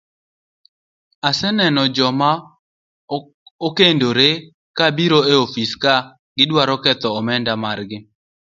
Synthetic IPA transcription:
asɛnɛnɔd͡ʒɔma | okendoɾe | kabiɾoeofiska | ɡ̥ɪdwaɾɔkɛt̪ɔːmɛndamaɾɡɪ

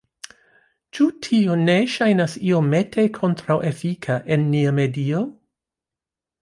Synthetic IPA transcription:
t͡ʃutʰione̞ʃajnasiome̞tʰekʰo̞ntɾawʔefikʰaʔe̞nːiame̞dio

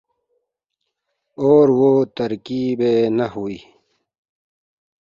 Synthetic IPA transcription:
oːɾwot̪əɾkibenɐhuiː

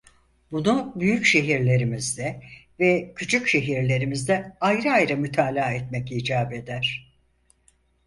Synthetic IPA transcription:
bunubyjycʃe̞ɦiɾlʲe̞ɾimizd̪ɛvɛcʰyt͡ʃʰycʃe̞ɦiɾlʲe̞ɾimizd̪ɛajɾɯajɾɯmyt̪ʰaːlʲaːɛt̪mɛciːd͡ʒaːbe̞d̪æɾ̥

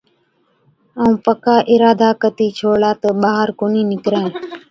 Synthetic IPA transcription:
aːũːpəkaːʔɪɾaːd̪ʱaːkət̪iːt͡ʃʰoːɭaːt̪əɓaːɦəɾkoːniːnɪkɾẽː

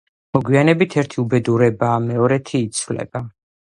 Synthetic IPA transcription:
mɔɡwianɛbit̪ʰɛɾt̪ʰiubɛd̪uɾɛbaːmɛɔɾɛt̪ʰiːt̪sʰvlɛ̰b̥a

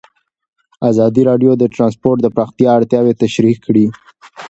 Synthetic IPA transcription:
azɑd̪iɾɑɖjod̪əʈɾɑnspoɾʈ̚d̪əpɾaxt̪ijɑaɽt̪jɑwet̪aʃɾikʰːɽi

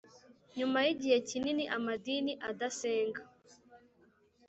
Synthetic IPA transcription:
ɲumajiɟihe̞cininiʔamadiniʔadaseːŋɡa

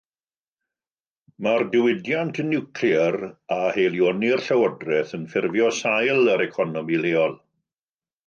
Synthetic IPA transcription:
mardɪwɪdjantʰnːɪwkʰliɛrahejlˠjonirɬawədrɛθənfɪrvjɔsajlˠəɾɛkʰɔnɔmileːɔlˠ

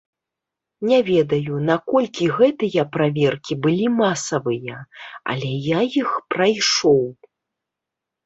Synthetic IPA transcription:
nʲɛvʲɛd̪ɐjunakɔlʲkʲiɣɛt̪ɨjɐpɾavʲɛrkʲibɨlʲimasɐvɨjɐɐ̰lʲɛjajixpɾajʂɔw

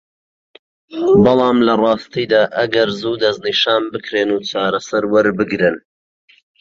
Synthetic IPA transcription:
bɑlˠɑːmlɐrˤɑːst̪ijd̪aːʔɐɡɐɾzuːd̪ɐzniʃaːnbɨkʰɾeːnuːt͡ʃaːɾɐsɐɾwɐɾbɨɡɾɨn

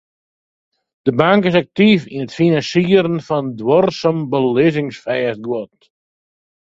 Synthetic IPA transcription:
d̥əbaŋkɪs̬ak̚tifinətfinansiəɾənfɔndwɔrsəmbəlɪzɪŋsfɛːəsɡwɔt̚

